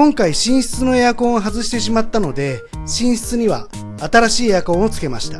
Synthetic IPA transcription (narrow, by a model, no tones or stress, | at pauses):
kõ̞ŋkaiɕĩɰ̃ɕi̥t͡sɨno̞e̞jako̞ŋɦazɨɕi̥t̪e̞ɕimat̪ːano̞d̪e̞ | ɕĩɰ̃ɕi̥t͡sɨɲ̟iβaː | t̪aɾaɕiːejako̞ot͡sɨ̥ke̞maɕi̥t̪ḁ